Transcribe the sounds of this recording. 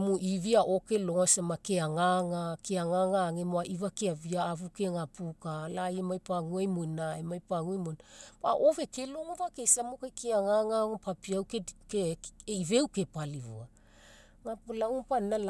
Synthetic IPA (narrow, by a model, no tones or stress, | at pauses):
muʔiviaʔo̞keloŋasamakeaŋaŋakeaŋaŋaŋemoaʔivakeaviaːvukeŋapukalajemajpaŋuajmojnaemajpaŋuajmonpa̰ʔove̞kelo̞ŋovakejsamokajkʰeaŋaŋaŋopapiawkekeeive̞wke̞palivṵa | ŋapulauŋpanala